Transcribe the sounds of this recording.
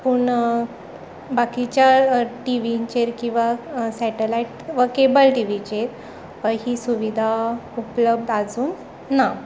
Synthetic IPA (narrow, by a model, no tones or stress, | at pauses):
puɳ | bakit͡ɕjaʈiʋit͡ɕeɾkĩw̃ʋasɛʈelaiʈʋəkebəlʈiʋit͡ɕeɾ | pəɾɦiːsuʋid̪ʱaupləb̚d̪ad͡zuːnː | a